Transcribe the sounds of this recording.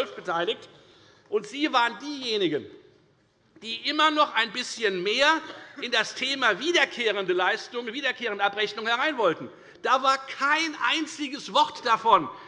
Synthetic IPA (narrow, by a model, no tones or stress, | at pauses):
lfb̥ətʰaɪlɪkt | ʔʊntz̥iːvaːʁəndiːjeːnɪɡən | d̥iːʔɪmɐnɔχaɪnbɪsçənmeːɐɪndastʰeːmaːviːdɐkʰeːʁ̞əndəlaɪstʊŋviːdɐkʰeːʁ̞əndəʔapʁɛçnʊŋhɛʁ̞aɪnvɔltn̩ | d̥aːvaːɐkʰaɪnʔa̰ɪnt͡sɪɡəsv̥ɔʁtd̥afɔn